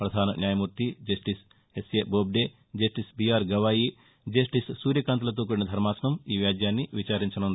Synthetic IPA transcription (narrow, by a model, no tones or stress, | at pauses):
pɾɐd̪ʱaːnɐnjaːjɐmuːɾt̪id͡ʒɐsʈis | esjeːboːb̚ɖeː | d͡ʒɐsʈisbijaːɾɡɐʋaːji | d͡ʒɐsʈissuːɾjɐkaːnt̪ɐlɐt̪̬oːk̬uɽinɐd̪ʱɐɾmaːsɐnɐmiːʋjaːd̪ʱjaːnːiʋit͡ʃaːɾiɲt͡ʃɐnund̪i